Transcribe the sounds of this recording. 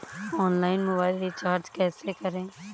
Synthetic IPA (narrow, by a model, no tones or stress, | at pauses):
ɔːnlaːɪnmʊbaːɪlɾit͡ʃaːɾd͡ʒkɛːsekəɾẽː